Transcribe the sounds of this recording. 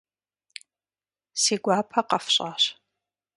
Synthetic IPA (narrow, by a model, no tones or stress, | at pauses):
siːɡʷaːpʰɐqʼɐfɕʼaːɕ